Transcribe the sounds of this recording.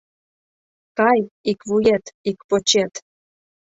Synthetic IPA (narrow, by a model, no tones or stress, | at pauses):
kɑjikβujet̪ikpot͡ɕet̪